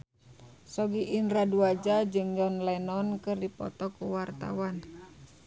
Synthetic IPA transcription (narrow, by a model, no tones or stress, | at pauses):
sɔɡiːnraduad͡ʒad͡ʒɨŋd͡ʒɔnlɛnɔnkɨrdipɔ̰t̪ɔkuwart̪a̰wan